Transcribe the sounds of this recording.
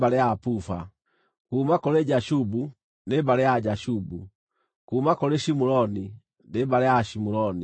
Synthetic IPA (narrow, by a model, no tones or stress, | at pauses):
baɾejapufa̰ | kuːmakɔɾeɟaʃubu | nebaɾejaɟaʃubṵ | kumakɔɾeʃimuɾɔni | nebaɾejaʃimuɾɔni